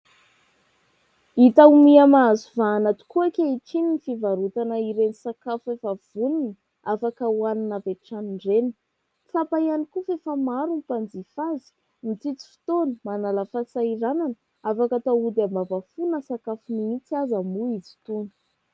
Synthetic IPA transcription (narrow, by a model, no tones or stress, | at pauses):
it̪aumiamazuvaːnat̪u̥kuakʲeiʈ͡ʂininifivaɾut̪anəiɾenisakafuefav̥unini | afakəuaninapeʈ͡ʂaniɳɖ͡ʐenə̥ | t͡sapaianikufefamaɾunipand͡zifazi̥ | mit͡sit͡si̥fi̥t̪onimanaləfasaiɾananə | afakət̪aud̪ambavafunəsakafunimit͡siazambuizi̥t̪unə̥